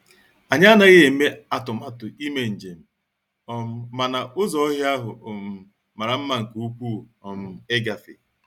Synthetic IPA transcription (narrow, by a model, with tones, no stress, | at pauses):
a˨ɲa˦na˦ɣɪ˦e˨˦me˦a˨tʊ˨ma˦tʊ˨i˦me˨n̩˨d͡ʒe˨m̩˨ | ɔ˨m̩˦ma˨na˨ʔʊ˦zɔ˦ɔ˦ɦa˦ɦʊ˨m̩˨ | ma˨ɾa˨m̩˦ma˨ŋ̩˨ku˨u˦k͡pu˦˨ɔ˨m̩˨e˦ɡa˨fɪ̰˨